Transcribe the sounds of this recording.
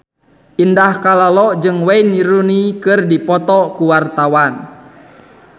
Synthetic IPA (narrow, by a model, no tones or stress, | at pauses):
ʔindahkalalɔd͡ʒɨŋwainiɾunikɨrdipɔt̪ɔkuwart̪awan